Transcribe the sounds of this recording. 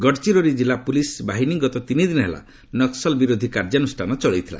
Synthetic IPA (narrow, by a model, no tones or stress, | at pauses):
ɡɔɽt͡ʃiɾɔɾid͡ʒilapulisbaɦiniɡɔt̪ɔt̪inid̪inɔɦela̰ | nɔksɔlbiɾod̪ʱikaɾd͡ʒanusʈʰanɔt͡ʃɔɭejt̪ʰila̰